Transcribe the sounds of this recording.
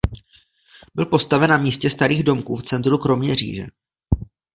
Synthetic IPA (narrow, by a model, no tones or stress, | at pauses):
bɪlpo̞st̪avɛnamiːscɛst̪aɾiːɣdo̞mkuːft͡sɛnt̪ɾukɾo̞mɲɛr̝ḭːʒɛ̰